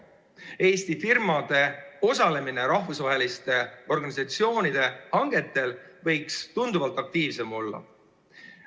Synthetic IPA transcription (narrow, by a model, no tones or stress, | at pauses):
e̞ːst̪ifirmɑd̪̥e̞o̞sɑle̞mine̞ɾɑɦvusvɑɦe̞list̪e̞o̞rɡɑnisɑt̪sio̞ːnid̪̥e̞hɑŋɡ̥e̞t̪ːˑe̞lvɤ̞jkst̪und̪uvɑlt̪ˑɑk̚t̪iːvse̞mo̞lːɑ̰